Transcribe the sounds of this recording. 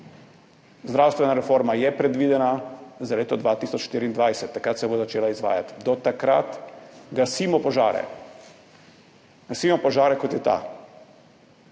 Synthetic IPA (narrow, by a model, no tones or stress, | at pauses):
zd̪ɾawst̪ʋɛnaɾɛfoɾmajɛpɾɛd̪ʋiːd̪ɛnazaleːt̪ɔd̪ʋat̪isɔt͡ʃʃt̪iːɾiːnd̪ʋajsɛt̪ːakɾat̪sɛbozat͡ʃeːlaizʋa̰ːjat̪d̪ɔt̪akɾa̰t̪ɡasimɔpɔʒa̰ːɾɛ̰ | ɡasiːmɔpɔʒaːɾɛkɔt̪jɛt̪a̰